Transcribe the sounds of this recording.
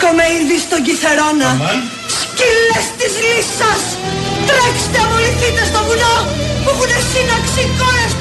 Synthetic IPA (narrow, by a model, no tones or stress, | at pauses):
komeinðist̪oʝiθeɾonɐ | scilest̪izlisɐs | t̪ɾeç̥st̪eɐpoliθit̪est̪ovunopupunesinɐksikoɾes